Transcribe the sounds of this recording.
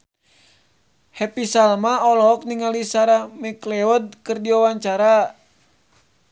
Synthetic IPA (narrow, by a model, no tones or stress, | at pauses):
hɛpisalmaɔlɔɦɔk̚niŋalisaɾamiklɛɔd̪̚kɨrdiwawaɲt͡ʃaɾa